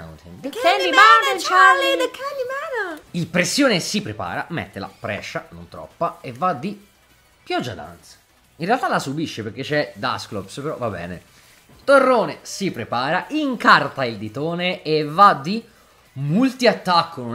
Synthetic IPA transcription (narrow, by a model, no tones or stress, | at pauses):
wt̪ḭnd̪kːɛlimant͡ʃaiekʰɛlːimɛːnoilpɾesːjoːnesipɾepa̰ːɾa̰mḛt̪ːela̰pɾɛ̰t͡ʃːano̰nt̪ɾɔ̰pːaevad̪i | pjɔd͡ʒːa̰d̪a̰nt̪sḁ | inrealt̪alasubiʃːepeɾk̟et͡ʃːɛd̪a̰sklopspeɾɔ̰vabɛ̰ːnḛ | t̪orːoːnesipɾepaːɾaʔiŋkart̪aild̪it̪oːneevad̪i | mult̪iat̪ːakʰːono